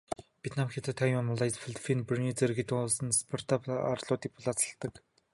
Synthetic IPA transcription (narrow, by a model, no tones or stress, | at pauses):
pʲjet̪ʰnamxʲet̪ʰat̪ʰːajmamɔɮajt͡sfiɮfʰinprniːt͡serɡet̪ɘ̆ŋʊɮsə̆nspʰɔr̥t̪ʰapa̰rɮʊːt̪iːk̚pʰʊɮaːt͡sə̥̆ɬt̪ə̆k